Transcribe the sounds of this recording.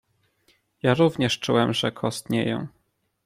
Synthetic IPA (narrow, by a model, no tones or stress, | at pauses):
jaɾuvɲɛʂt͡ʂuwɛmʐɛkʰɔst̪ɲɛ̰jɔ̰̃w̃